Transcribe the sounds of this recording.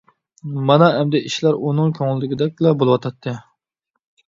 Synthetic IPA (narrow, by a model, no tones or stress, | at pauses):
mɑnɑɛmd̪ɛʔiʃlæɾunɨŋkʲʰøŋlˠɪːɪɡʲɪd̪ɛk̚ʲblɛbolˠɨwɑt̪ʰɑt̪ʰːɨ